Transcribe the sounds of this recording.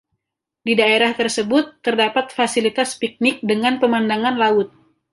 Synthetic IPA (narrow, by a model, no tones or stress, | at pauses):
didaeɾaht̪ərsəbʊt̪ːərdapat̪̚fasilit̪aspik̚nɪk̚dəŋanpəmandaŋanlaʊt̪̚